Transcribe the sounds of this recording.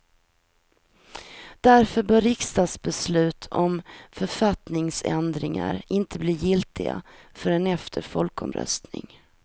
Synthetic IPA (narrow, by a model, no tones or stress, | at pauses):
d̪̥æɾfœɾbœɾɪkst̪ɑːd̪sbɛslʉ̟ːt̪ʰɔmfœɾfat̪nɪŋsɛnd̪ɾɪŋa̰ɾɪnt̪ʰəbliːjɪlt̪ɪɡa̰fœɾɛnɛft̪ʰəɾfɔlkɔ̰mɾœ̰st̪nɪ̰ŋ